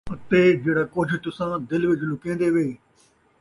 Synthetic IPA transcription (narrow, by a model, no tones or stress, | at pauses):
ɐt̪eːd͡ʒeːɽaːkoːd͡ʒʰʱt̪ʊsãːd̪ɪlʋɪd͡ʒluːkẽːnd̪eːʋeː